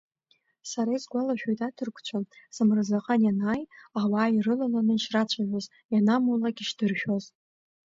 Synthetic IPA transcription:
saɾaizɡʷalaʃᶣojtʼatʰɨrkʷʰʼt͡ɕʷʰanz̥ɨmrɨzaqʼanjanaːjawaːirɨlalanɨʃrat͡ɕʷʰaʕʷᶣaz | janamulaɡʲiʃdɨrʃᶣoz

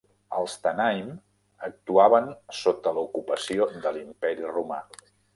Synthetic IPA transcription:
əlˠst̪ənajm | ək̚t̪uaβənsot̪ələukupəsiod̪əlimpɛɾiruma̰

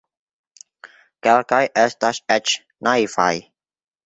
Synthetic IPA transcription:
kɛlkajʔɛst̪aʃɛt͡ʃ | naifa̰j

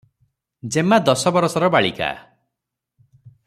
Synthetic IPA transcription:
d͡ʒemad̪ɔsɔbɔɾɔsɔɾɔbaɭika̰

